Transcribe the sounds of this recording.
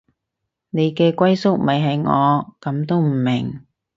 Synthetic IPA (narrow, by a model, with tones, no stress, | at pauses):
ne˨˧jkɛː˧kʷɐ˥jsʊ˥k̚mɐ˨jɦɐ˨jŋɔː˨˧kɐ˨˥mt̪o˥wm̩˨˩mɪ̰˨˩ŋ